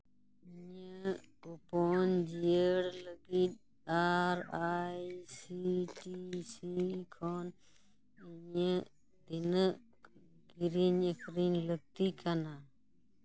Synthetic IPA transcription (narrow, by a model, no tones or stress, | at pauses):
ɪɲəupoːnd͡ʒiəɽləɡiːɗ̪ | aːɾaːisiːʈisiːkʰoːn | iɲə | d̪ɪn | ɡiɾiɲəkʰɾiːnləɡ̚t̪iːkʰanaː